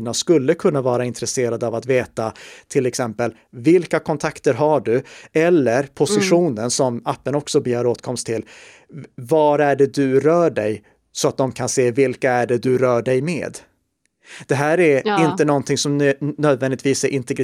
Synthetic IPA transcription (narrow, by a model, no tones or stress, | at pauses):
naskɵlːəkʰɵnːavɑːɾaɪnt̪ɾɛseːɾad̪əavat̪veːt̪at̪ʰɪlɛksɛmpəl | vɪlkakʰɔnt̪ʰakt̪əɾɦaɖɵɛlːəɾpʰʊsɪɧuːnənsɔmapːənɔksɔbəjœːɾoːt̪kʰɔmst̪ʰːɪl | vaɾæɖɛd̪ɵɾœːɖɛj | sɔat̪̚d̪ɔmkʰanseːvɪlkaæɖɛd̪ɵɾœːɖɛjmḛːd̪ | d̪̥ɛɦæːɾæɾɪnt̪ənɔnt̪ʰɪŋsɔmnøːd̪vɛnd̪ɪt̪ʰviːsæɾʔɪnt̪ɛɡɾɪ